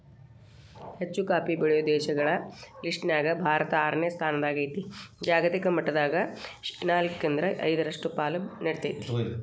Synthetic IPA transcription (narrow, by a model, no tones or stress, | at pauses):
het͡ʃːukaːpibɐɭijud̪ɛːʃɐɡɐɭɐliʂʈnaːɡɐbʱaːɾɐt̪ɐaːɾɐɳjɐst̪ʰaːnɐd̪aːɡɐjit̪id͡ʒaːɡɐt̪ikɐmɐʈːɐd̪aːɡɐnaːlkːeːnd̪ɾɐʔɐ̰jd̪ɐɾɐʂʈupaːlɐnɐɽt̪ijt̪i̥